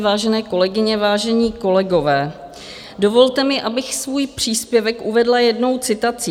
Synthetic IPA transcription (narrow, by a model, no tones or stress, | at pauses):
vaːʒɛnɛːko̞lɛɡɪɲɛvaːʒɛɲiːko̞lɛɡo̞vɛː | do̞vo̞lt̪ɛmɪʔabɪxsvuːjpr̝̥iːspjɛvɛkʔuvɛdlajɛdno̞wt͡sɪt̪at͡siː